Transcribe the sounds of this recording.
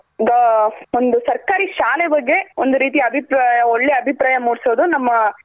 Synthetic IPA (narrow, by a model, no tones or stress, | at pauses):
d̪ɐond̪usɐɾkaːɾiʃaːlɛbɐɡːe̞ond̪uɾiːt̪̬ijɐɐbʱipɾaːjɐoɭːeɐbʱipɾaːjɐmuːɽsoːd̪unɐmːɐ